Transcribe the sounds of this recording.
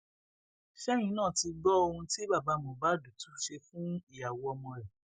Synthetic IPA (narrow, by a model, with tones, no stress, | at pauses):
ʃɛ˦j̃ĩ˨˦nãː˦˨ti˧ɡ͡bɔ˦o˧hũ˧ti˦ba˦˨ba˨˦mo˨ba˨˦du˨tu˨˦ʃe˧fũ˦i˦˨a˨wɔ˧mɔ̃˧ɾɛ˨